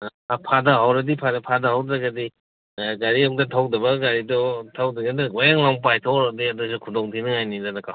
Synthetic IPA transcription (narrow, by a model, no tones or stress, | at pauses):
apʰadɐɦawɾɐdipʰadɐpʰadɐɦawdɾɐɡɐdi | ɡaɾiakdɐtʰawdɐbɐɡaɾidɔtʰawdɐɡadɐwajaŋlaŋp̬ajtʰawɾadiɐdusukʰudɔŋtʰinɯŋajnidanɐka